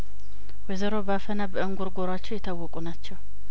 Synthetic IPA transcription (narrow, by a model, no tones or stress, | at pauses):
wɛzəɾo̞bafənabəɨŋɡuɾɡoɾat͡ʃːɛwjɪt̪ʰawːɔkʼunat͡ʃːɛw